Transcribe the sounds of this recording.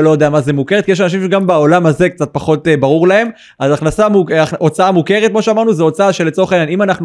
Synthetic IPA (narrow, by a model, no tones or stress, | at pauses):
lojodejamazemukeet̚kijeʃanaʃ̬imʃeɡambao̞lamhazekt͡sat̪̚paχo̞t̪ebaʁuʁlae̞m | azaχnasamuʔot͡saamuke̞ʁet̚kmo̞ʃeamaʁnuzeo̞t͡saaʃelːet͡so̞χananimanaχnu